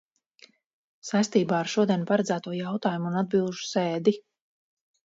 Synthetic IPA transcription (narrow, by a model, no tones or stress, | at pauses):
sajst̪iːbaːaɾʃuɔd̪ʲiɛnpaɾad̪zæːt̪uɔjawt̪aːjumuːnad̪̚bilˠʒu̥seːd̪i